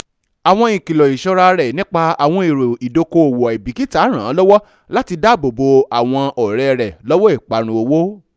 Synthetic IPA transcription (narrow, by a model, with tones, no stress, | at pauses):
a˨w̃ɔ̃˧ĩ˨ki˨lɔ˨i˨ʃɔ˧ɾa˧ɾɛ˨nĩ˦k͡pa˧a˨w̃ɔ̃˧i˨ɾo˨i˨do˧ko˧o˨wo˨ɛ˨bi˨˦ki˦ta˦ɾ̃ãː˨˦lɔ˦wɔ˦ | la˦ti˧da˦bo˨bo˧a˨w̃ɔ̃˧ɔ˨ɾɛ˦˧ɾɛ˨lɔ˦wɔ˦i˦˨k͡pa˨ɾ̃ũ˧o˧wo˦